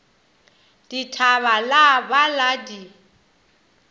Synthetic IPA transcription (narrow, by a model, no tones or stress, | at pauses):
d̥itʰaβalabaladi